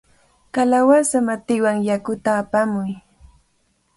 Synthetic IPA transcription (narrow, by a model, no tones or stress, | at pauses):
kalawasamat̪ɪwaŋjakʊt̪aːpamʊj